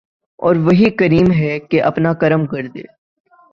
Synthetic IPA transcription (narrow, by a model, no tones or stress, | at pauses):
ɔ̰ːɾʋɐɦikɐɾiːmɦɛkeʔɐpnakɐɾəmkɐɾd̪ḛː